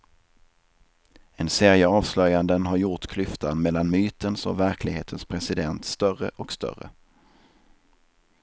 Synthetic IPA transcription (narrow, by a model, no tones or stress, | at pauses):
ɛnseːɾjəɑːvslœjand̪ənɦaɾjʊʈkʰlʏft̪ʰanmɛlːanmyːt̪ənsɔ̰væɾkʰlɪɡheːt̪ʰənspʰɾɛsɪd̪ɛnt̪st̪œrəʔɔkst̪œ̰rə̰